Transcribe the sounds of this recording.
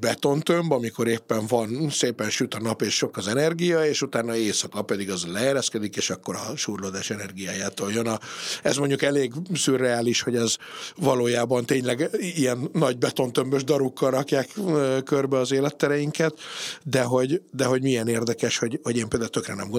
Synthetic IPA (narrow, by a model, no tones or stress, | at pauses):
bɛt̪o̞nt̪ømbɒmiko̞ɾeːpːɛɱvɒnseːpɛnʃyt̪ɒnɒpeːʃʃo̞kɒzɛnɛrɡijɒeːʃut̪aːnɒeːsɒkɒpɛd̪iɡɒzlɛeɾɛskɛd̪ikeːʃɒkːo̞ɾɒʃuːrloːd̪aːʃɛnɛrɡijaːjaːt̪oːljønɒɛ̰zmoɲɟukɛleːɡsyːrːɛaːliʃho̞ɟɛzvɒloːjaːbɒnt̪eːɲlɛɡijɛnːɒɟ̚bɛt̪o̞nt̪ø̞mbøʒd̪ɒɾukːɒlɾɒkjaːkːkørbɛɒzeːlɛt̪ːɛɾɛjiŋkɛt̪d̪ɛɦo̞ɟd̪ɛɦo̞ɟmijɛneːrd̪ɛkɛʃho̞ɟho̞ɟeːmpeːld̪ælt̪økrɛnɛ̰mɡo